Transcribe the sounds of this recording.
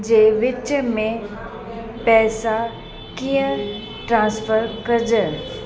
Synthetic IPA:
d͡ʑeːʋɪt͡ɕəmẽ | pɛːsa | kijə̃ | ʈɾãːnsfəɾkɐɾd͡ʑə

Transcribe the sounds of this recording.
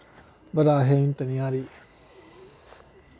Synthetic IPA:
bɐɾaːɦemĩnt̪ɐnijaɾi

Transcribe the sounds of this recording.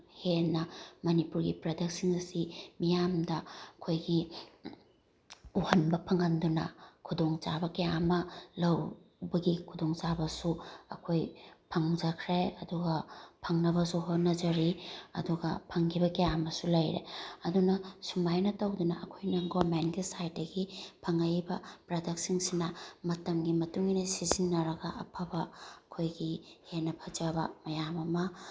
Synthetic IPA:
henːɐmɐnipuɾɡipɾɐdek̚siŋɐsimijamdɐɐkʰojɡi | uhɐnbɐpʰɐŋɐndunɐ̰kʰudoŋt͡ʃabɐkejamɐlɐw | bɐɡikʰudoŋt͡ʃabɐsuɐ̰kʰojpʰɐŋd͡ʒɐkʰɾeɐduɡɐpʰɐŋnɐβɐsuɦonɐzɐɾiɐ̰duɡɐ̰pʰɐŋkʰibɐkɐjamɐsulɐjɾḛɐdunɐsumbajnɐtɐwdunɐʔɐkʰojnɐɡomenɡisajt̚dɐɡipʰɐŋajbɐpɾadɐk̚siŋsinɐmɐtɐmɡimɐtuŋinɐsizinːɐɾɐɡɐʔɐpʰɐbɐːkʰojɡihenːɐpʰɐd͡ʒabɐmɐjamɐmɐ

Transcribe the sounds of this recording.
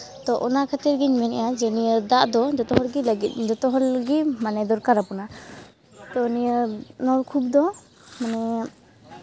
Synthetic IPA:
t̪ɔʔɔnakʰat̪iɾɡiɲmɛnɛjad͡ʒɛniəd̪aʔd̪ɔd͡ʒɔt̪ɔɦɔlɡilaɡit̪̚ˀd͡ʒɔt̪ɔɦɔlɡimanɛd̪ɔɾkaɾapuna | t̪ɔnijənɔɾkʰub̚d̪ɔ | manɛ

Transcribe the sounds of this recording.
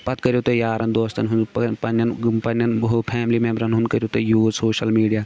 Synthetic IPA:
pɐt̪kɐɾijot̪ojaːɾɐnd̪oːst̪ɐnɦunpɐnɐnpɐnɐnɦopʰɛːmlimẽːmbɾɐnɦund̪kɐɾijoːt̪ojuːsoːʃɐlmiːɖijaː

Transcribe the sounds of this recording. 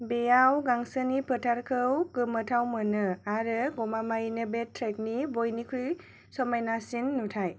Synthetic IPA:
bejawɡaŋsɯnipʰɯtʰaɾkʰɯwkɯmɯtʰawmɯnɯaɾɯɡɔmamajinɯbetʰɾek̚nibojnikʰuj | sɔmajnasinːutʰaj

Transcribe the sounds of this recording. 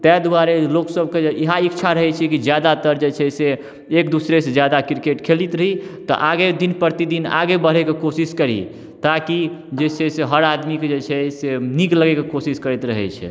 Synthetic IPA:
t̪ɛd̪uaɾeloksəbkeiɦaikt͡ʃʰaɾəɦɛt͡ʃʰɛkid͡ʒjad̪at̪əɾd͡ʒet͡ʃʰɛse | ekd̪usɾesed͡ʒjad̪akiɾkeʈkʰelit̪ɾəɦit̪ɔ̰ʔaɡed̪inpəɾt̪id̪ina̰ɡebəɾ̤ɛkekosiskəɾḭ | t̪akid͡ʒesʰeseɦəɾad̪miked͡ʒet͡ʃʰɛsenikləɡɛkekosiskəɾɛt̪ɾəɦɛ̰t͡ʃʰɛ̰

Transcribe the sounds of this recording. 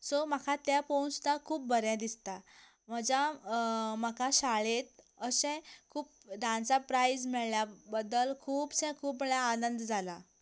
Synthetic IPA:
somakʰat̪japowst̪akʰuːp̚bəɾjãd̪ist̪a | m̤əd͡ʑa | məkʰaɕaɭet̪̚ | əsɛ̃kʰuːp̚ | d̪ʱãnt͡sapɾajd͡zmiɭljabəd̪əlkʰuːbsɛ̃kʰuːpmɛɭjaːnənd̪d͡zʱala

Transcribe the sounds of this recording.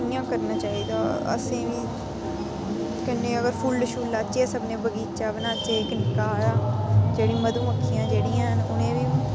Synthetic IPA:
ɪjãːkəɾnãːt͡ʃaːiːd̪aːə̰sẽːʋiː | kənːẽːəɡəɾpʰuːlɖəʃuːlːaːt͡ʃeːsəbnẽːbəɡiːt͡ʃaːbənaːt͡ʃeːknɪkaːɾaːd͡ʒeːɽĩːməd̪ũːəkʰːɪjãːd͡ʒeːɽiːãːɦnʊnẽːʋiː

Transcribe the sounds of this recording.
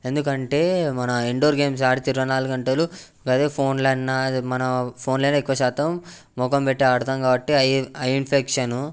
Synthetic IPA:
e̞nd̪ukɐɳʈe̞ːmɐnɐiɳɖoːɾɡe̞ːms̬aːɽit̪iɾːɐnaːluɡɐɳʈelu | ɡɐt̪eːpʰo̞ːnlɐnːɐmɐnɐpʰo̞ːnlɐjnːɐikːuʋɐʃaːt̪ɐmː | ɔkɐmpeʈːiɐɽt̪ɐmɡaːbɐʈːiɐjɐjinpʰekʂɐnu

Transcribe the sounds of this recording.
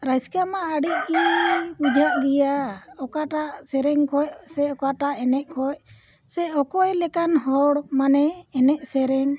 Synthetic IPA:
ɾajskamaːɽiʔ̚ˀkibud͡ʒʱaʔɡijaɔkaʈaʔsɛɾɛŋkʰɔjsɛɔkaʈaʔɛnɛʔkʰɔj | sɛɔkɔjlɛkanɦɔɽmanɛːnɛʔsɛɾɛŋ

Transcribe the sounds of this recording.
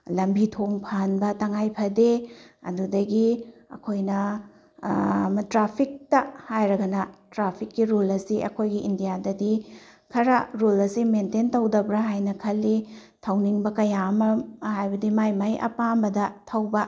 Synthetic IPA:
lɐmbitʰoŋpʰanbɐtɐŋajpʰɐdeɐ̰dudɐɡiɐ̰kʰojnɐ | mɐtɾapʰik̚tɐhajɾɐɡɐnɐtɾapʰikːiɾulɐsiʔɐ̰kʰojɡiʔindijadɐdikʰɐɾɐɾulɐsimententɐwdɐbɾɐɦajnɐkʰɐlːi | tʰɐwniŋbɐkɐjamɐhajbɐdimajmajʔɐ̰pambɐdɐtʰɐwbɐ

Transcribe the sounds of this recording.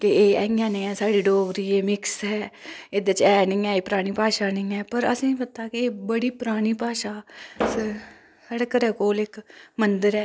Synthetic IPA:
keeːɛɪãːnĩːɛːsaːɽiːɖoːbɾiːeːmɪksɦɛːɪd̪ət͡ʃɛːnɪ̃ːɛːeːpəɾaːɽ̃iːpaːʃaːnɪ̃ːɛːpəɾə̰sĩːpət̪aːkɪeːbəɽiːpəɾaːɽ̃iːpaːʃaːsə | saːɽːkəɾɛːkoːlɪkmənd̪əɾɛː

